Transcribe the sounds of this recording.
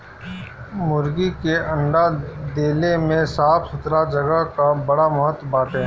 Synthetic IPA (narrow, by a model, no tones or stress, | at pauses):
mʊɾɡikeɐ̃ɳɖad̪eːlemẽsaːpʰsʊt̪ɾad͡ʒɐɡəɦkabɐɽamɐɦət̪baːt̪ɛ̃